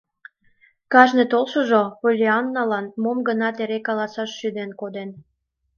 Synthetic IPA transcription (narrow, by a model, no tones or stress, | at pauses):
kɑʒnet̪olʃoʒopolʲeɑnːɑlɑnmomɡənɑt̪eɾekɑlɑsɑʃːyd̪enkod̪en